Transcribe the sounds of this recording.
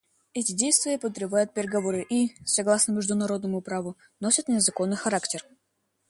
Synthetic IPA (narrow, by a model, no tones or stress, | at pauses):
ɛtʲɪdʲejst̪vʲɪjəpəd̪ɾʲɪbajʊt̪̚pʲɪɾʲɪɡɐvoɾɨʔisɐɡlˠasnəmʲɪʐd̪ʊnɐɾo̞d̪nəmʊpɾavʊ | no̞sʲət̪nʲɪzɐko̞nːɨjxɐɾaktʲɪr